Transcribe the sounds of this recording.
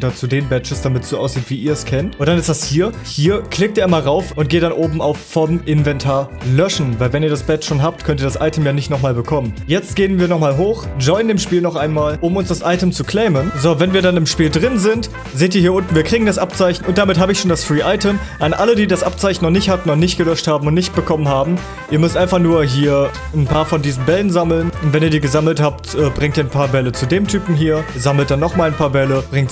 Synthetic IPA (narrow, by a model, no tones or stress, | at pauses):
tɐt͡sudeːnbɛt͡ʃəsd̥amɪtsz̥oːʔaʊsz̥iːtv̥iːʔiːɐɛskʰɛntʊntd̥anɪsd̥ashiːɐhiːɐkʰl̥ɪk̚tiɐɪmaːlʁaʊfʊnt̚ɡ̥eːtdanʔoːbm̩aʊfːɔmʔɪnvɛntʰaːɐ | lœʃn̩vaɪlvɛniːɐɾasb̥ɛtʃoːnɦaːp̚tkʰœnt̬iːɐdasʔa̰ɪtʰəmjaːnɪçtnɔχmaːlbəkʰɔmənjɛt͡st̚ɡ̥eːənviːɐnɔχmaːlɦoːxd͡ʒɔʏnəndeːmʃpiːlnɔχʔaɪnmaːlʔʊmʊnsd̥asʔaɪtəmt͡sukʰl̥ɛːmənzovɛnviːɐdanɪmʃpiːldʁɪnzɪnt | zeːtiːɐhiːɐʔʊntn̩viːɐkʁ̥iːɡŋ̩dasʔapt͡saɪçn̩ʊnt̚d̥amɪtɦaːbəɪçʃoːndasfʁ̥iːʔaɪtəmʔanʔalədiːdasʔap̚t͡saɪçn̩ːɔχnɪçthatn̩nɔχnɪçt̚ɡ̥əlœʃthaːbm̩ʊntnɪçt̚b̥əkʰɔmənhaːbm̩ | ʔiːɐmʏstʔaɪnfaχnuːɐɦiːɐ | npʰaːɐfɔndiːzn̩bɛlənzaml̩nʊntv̥ɛniːɐdiːɡəzaml̩thaːptʔɛːbʁɪŋktiːɐnpʰaːɐbɛlət͡sudeːmtʰyːpm̩ɦiːɐzaml̩t̚d̥anːɔχmaːlnpʰaːɐbɛləb̥ʁɪŋkt